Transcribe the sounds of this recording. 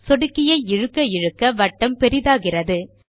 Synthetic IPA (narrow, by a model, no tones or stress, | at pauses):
sɔɽɯkːɪjɐɪɪɻɯkːɐɪɻɯkːɐʋɐʈːɐmpɛɾɪðaːɣɪrɐðɯ